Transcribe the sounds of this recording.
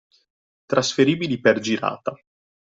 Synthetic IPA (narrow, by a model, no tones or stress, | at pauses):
t̪ɾʔasfeɾiːbiliperd͡ʒiɾa̰ːt̪a